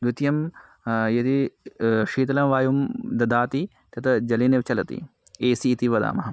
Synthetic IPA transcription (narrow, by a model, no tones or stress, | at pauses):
d̪ut̪jɐm | jɐt̪i | ʂiːt̪ɐlɐmʋaːjumd̪ɐd̪aːt̪i | t̪ɐt̪ʰɐd͡ʒɐliːneʋt͡ʃɐlɐt̪ḭ | eːsiːt̪iʋɐd̪a̰ːmɐɦɐ